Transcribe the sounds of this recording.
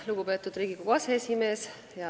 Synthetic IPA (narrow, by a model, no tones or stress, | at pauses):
luɡ̥upe̞ːt̪ːˑud̪riːɡ̥ikukɑseesʲime̞ːs | jɑ